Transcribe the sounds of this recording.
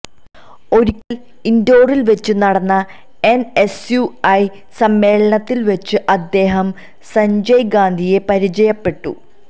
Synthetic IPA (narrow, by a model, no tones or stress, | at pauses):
o̞ɾikʲːɐl | indo̞ːrilʋet͡ɕːɨnɐɽɐnːɐ | ene̞sjuɐj | sɐmːe̞ːɭɐɳɐt̪ːilʋet͡ɕːɨʔɐd̪ːe̞ːɦɐm | sɐɲd͡ʑɐjɡaːnd̪ʱije̞pɐɾid͡ʑɐjɐpːe̞ʈːṵ